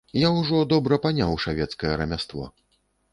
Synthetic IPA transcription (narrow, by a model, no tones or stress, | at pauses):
jawʐɔd̪ɔbɾɐpanʲawʂavʲɛt̪skɐjɛɾɐmʲast̪vɔ̰